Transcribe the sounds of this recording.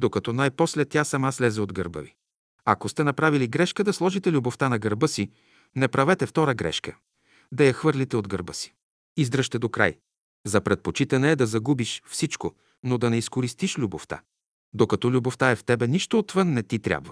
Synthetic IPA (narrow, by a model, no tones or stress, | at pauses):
d̪okɐt̪ɔnajpɔslɛt̪ʲːasɐmaslɛzɛod̪ɡə̰ɾbə̰vi | ɐkost̪ɛnɐpɾaviliɡɾɛʃkəd̪ɐslˠɔʒit̪ɛlʲuboft̪anɐɡəɾbɤsi | nɛpɾɐvɛt̪ɛft̪ɔɾəɡɾɛ̰ʃkə | d̪ɐjɐxvɤɾlit̪ɛod̪ɡəɾbəsi̥ | izd̪ɾəʃt̪ɛd̪okɾa̰j | zɐpɾɛt̪̚pot͡ʃit̪ɐnɛːd̪ɐzɐɡubiʃfsit͡ʃko | nod̪ɐnɛiskoɾist̪iʃlʲuboft̪a̰ | d̪okɐt̪ɔlʲuboft̪aɛft̪ɛbɛniʃt̪oːt̪vɤnːɛt̪it̪ɾʲja̰bvɐ